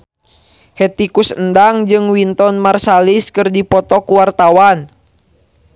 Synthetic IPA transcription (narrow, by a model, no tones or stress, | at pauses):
hɛt̪ikusəndaŋd͡ʒɨŋwint̪ɔnmarsaliskɨrdipɔt̪ɔkuwart̪awan